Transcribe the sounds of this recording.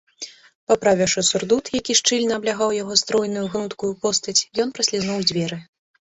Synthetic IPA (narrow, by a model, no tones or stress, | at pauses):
pɐpɾavʲɛʂusurd̪ut̪jakʲiʂt͡ʂɨlʲnɐːblʲaɣawjaɣɔst̪ɾɔjnujuɣnut̪kujupɔst̪ɐt͡sʲjɔn̪pɾɐsʲlʲiznɔwd͡zʲvʲɛɾɨ